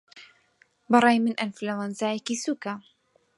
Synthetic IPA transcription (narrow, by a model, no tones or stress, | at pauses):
bɨɾˤɑːjmɨnʔɐnflawanzaːjɛkisuːka